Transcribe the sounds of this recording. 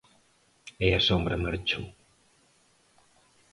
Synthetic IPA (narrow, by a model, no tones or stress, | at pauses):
ɛɐsombɾɐmaɾt͡ʃo